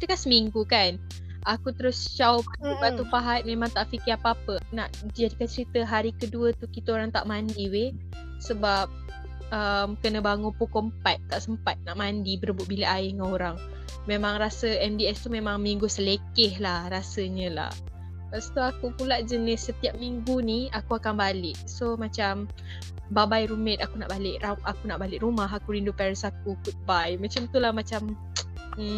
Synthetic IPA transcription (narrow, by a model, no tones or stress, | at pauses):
kit̪əkansəmiŋɡukan | ʔakut̪əɾʊst͡ʃaʊpaupat̪ːupaɦat̪̚memaŋt̪aʔfikɪɾapəapəpnaʔd͡ʒadikant͡ʃəɾit̪əɦaɾikəduət̪ukit̪aoɾaŋt̪a̰ʔmandiwe | səbap̚ | əmkənəbaŋupukɔmpat̪̚t̪aʔsəmpat̪̚naʔmandibəɾəbʊt̪ʔ̚biləʔaɪhŋanoɾaŋ | memãŋɾasəɛmdiɛst̪umemaŋmiŋɡusəlekɪhlahɾasəɲə̃la̰h | past̪uakupulaʔd͡ʒənɪsːət̪iap̚miŋɡuniakuakanbalɪʔsomat͡ʃam | babajɾumɛt̪akunaʔbalɪʔraʔakunaʔbalɪʔrumaɦakuɾindupɛɾəsak̚ukut̪̚bajmat͡ʃamt̪ulahmat͡ʃam̩